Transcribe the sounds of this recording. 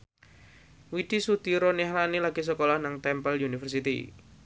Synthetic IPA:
wid̪̥isud̪̥iɾonihlanilaɡ̥is̬əkolahnaŋt̪ɛmpəlunifərsit̪ḭ

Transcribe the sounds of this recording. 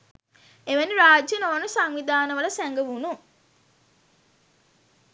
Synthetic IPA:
eʋæniɾaːd͡ʒənoːnəsaŋʋid̪ʱaːnəʋələsæŋɡəʋunu

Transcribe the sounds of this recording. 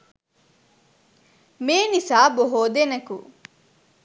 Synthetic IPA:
meːnisaːboɦoːd̪enɐkṵ

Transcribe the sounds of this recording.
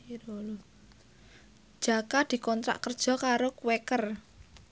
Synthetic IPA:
ɾol | d͡ʒ̥a̤kad̪̥i̤kɔnt̪ɾa̰ʔkərd̥ʒ̥ɔ̤kaɾokuwekər

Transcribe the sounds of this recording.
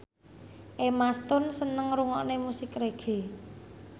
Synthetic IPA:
ʔemast̪ʊnsənəŋɾuŋɔʔnemusɪkreɡ̥e̤

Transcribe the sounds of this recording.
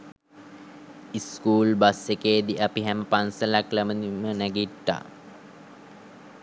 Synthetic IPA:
iskuːlbasekeːd̪iʔapiɦæməpansəlakləmənimənæɡiʈːa̰

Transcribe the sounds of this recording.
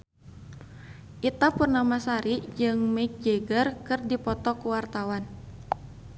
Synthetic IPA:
ʔit̪apurnamasaɾid͡ʒɨŋmɛk̚d͡ʒeɡərkɨrdipɔt̪ɔkuwart̪awan

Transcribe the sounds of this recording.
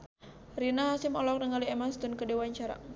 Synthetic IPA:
rinaɦasɪmɔlɔk̚nəŋaliemast̪ʊnkədewaɲt͡ʃaɾa̰

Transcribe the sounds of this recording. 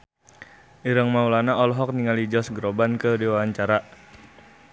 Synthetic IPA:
ʔiɾəŋmaulanaɔlɔɦɔk̚niŋalid͡ʒɔsɡɾobankədiwawaɲt͡ʃaɾa

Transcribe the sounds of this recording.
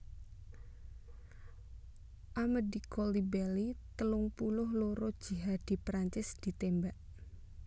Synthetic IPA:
ʔamədikɔlibɛlit̪əlʊŋpulʊhloɾɔd̥ʒ̥i̤ɦad̪̥i̤pɾaɲt͡ʃɪsd̪̥i̤t̪embaʔ

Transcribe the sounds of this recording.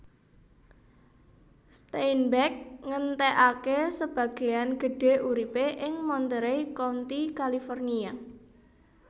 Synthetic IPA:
st̪ainbɛk̚ŋənt̪ɛʔakesəb̥ä̤ɡ̥e̤janɡ̥ə̤ɖ̥e̤ʔuɾipeʔɪŋmɔnt̪əɾejkont̪ikalifɔrnia

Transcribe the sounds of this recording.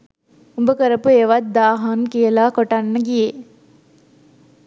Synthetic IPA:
umbəkəɾəpueːʋat̪̚d̪aːɦankijəlaːkoʈanːəɡije

